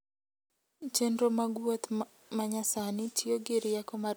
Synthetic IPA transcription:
t͡ʃendɾomaɡwot̪ | maɲasanitʰioɡeɾijakɔma

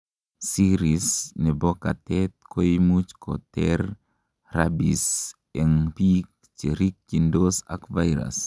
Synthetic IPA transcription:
siɾisnebokat̪ɛt̪̚kojmut͡ʃkɔ̰t̪ɛɾ | rabis | ɛŋpik̚ | t͡ʃeɾik̚t͡ʃindosa̰kvajɾa̰s

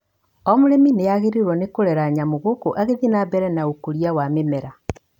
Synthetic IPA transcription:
ɔmoɾemineaɣeɾeɾwɔnekoɾɛɾaɲamoɣokoʔaɣeðinabɛɾɛnaokoɾiawamemɛɾa

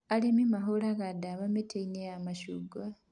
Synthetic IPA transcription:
alemimaɦolaɣadaβametʰeineamaʃuɡwa

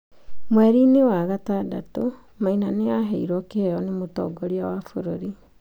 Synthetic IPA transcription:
mwɛɾinewaɣatada̰to | mainaneaɦɛiɾɔkeɛjɔnemotɔ̰ɡɔɾiawafoɾoɾi

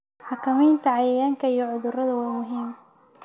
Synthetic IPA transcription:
ħɑkʰɐmiːnt̪ʰɐʕɑjɐjaːŋkʰɐijɔʕʊðʊrɐðɐwaːmʊɦiːm

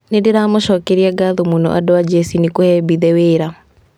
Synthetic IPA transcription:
nedeɾamoʃɔkeɾiaɡaðomonɔ̰ʔa̰doad͡ʒɛsinekohɛbiðɛweːɾa

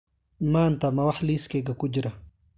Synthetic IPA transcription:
maːnt̪amawaħliskeɡakud͡ʒɾa

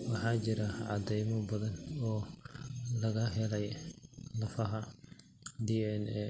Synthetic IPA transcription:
wɑħɑːt͡ʃɪɾɐʕɑ̰d̪ɛjmɔbɐðɐnɔː | lɐɣɐɦɛlɛjlɐfɐɦɐ | d̪iɛnɛ

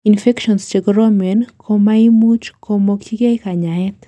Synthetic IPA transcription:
infɛkʃɔnst͡ʃeɡɾomɛnkʰomaimut͡ʃkʰomokt͡ʃiɡekaɲaɛt̪

